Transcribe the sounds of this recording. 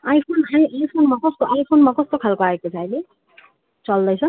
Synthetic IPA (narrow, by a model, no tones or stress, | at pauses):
ajpʰonɦamiʔajpʰonmʌkʌst̪oʔajpʰonmʌkʌst̪okʰalkoaekot͡sʰajle | t͡sʌld̪ʌjt͡sʰʌ̃